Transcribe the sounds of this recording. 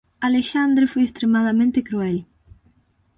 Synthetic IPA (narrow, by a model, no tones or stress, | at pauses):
aleʃand̪ɾefojest̪ɾemaðamẽnt̪ekɾuɛl